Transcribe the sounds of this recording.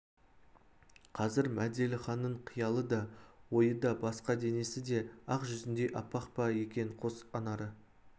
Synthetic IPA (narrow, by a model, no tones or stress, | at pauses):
qʰɑzɪɾmæd̪e̞lɪχɑnːəɴqʰijɑlˠəd̪ɑwo̞jəd̪ɑbɑsqɑd̪e̞ne̞sɪd̪e̞ɑqʒʏzɪnd̪e̞ʔɑ̰pːɑqpɑje̞kʲe̞ŋqʰo̞sɑnɑɾə